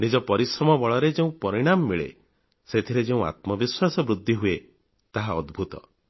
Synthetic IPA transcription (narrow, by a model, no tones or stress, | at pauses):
nid͡ʒɔpɔɾisɾɔmɔbɔɭɔɾed͡ʒeũpɔɾiɽ̃amːiɭḛ | set̪ʰiɾed͡ʒeũa̰t̪mɔbiswasɔbɾud̪ʱːiɦue | t̪aɦaɔd̪bʱut̪ɔ̰